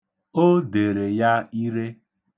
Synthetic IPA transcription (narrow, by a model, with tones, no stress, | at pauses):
o˦de˨ɾe˨ja˦i˦ɾe˦